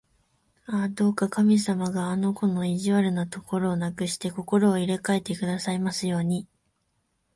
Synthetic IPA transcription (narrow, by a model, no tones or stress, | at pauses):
ad̪o̞ːkakamʲisamaɡaːno̞ko̞no̞iʑiβaɾɯ̟nat̪o̞ko̞ɾo̞ːnakɯ̟ɕi̥t̪e̞ko̞ko̞ɾo̞ːiɾe̞kae̞t̪e̞kɯ̟d̪asaimasɨjo̞ːɲ̟i